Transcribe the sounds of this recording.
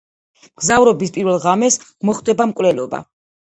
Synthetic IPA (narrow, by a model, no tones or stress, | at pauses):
ɡ̥zavɾɔbispʼiɾvɛlˠʁamɛsmɔχd̪ɛbamkʼwlɛlˠɔba̰